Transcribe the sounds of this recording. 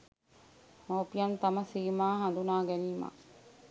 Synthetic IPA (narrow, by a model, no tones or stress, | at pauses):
hoːpijɐnt̪aməsiːmaːɦand̪unaːɡɛniːma̰